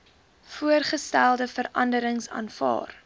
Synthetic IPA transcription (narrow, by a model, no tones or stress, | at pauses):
fuərχəstælˠdəfəɾɐ̰ndəɾəŋsɑ̰ːnfɑ̰ːr